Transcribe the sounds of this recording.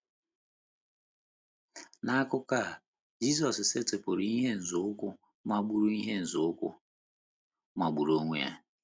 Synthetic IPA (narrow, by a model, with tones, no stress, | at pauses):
na˦a˦kʊ˦ka˦˨ | d͡ʒi˦s̬ɔ˨sɪ˨se˦te˨pʊ˨ɾi˨i˦ɦe˦n̩˨zʊ˨˦ʊ˦kʊ˦ | ma˦ɡ͡bu˦ɾu˦i˦ɦe˦n̩˨zʊ˨˦kʊ̰˦ | ma˨ɡ͡bu˨ɾo˦ŋʷe˦ja̰˦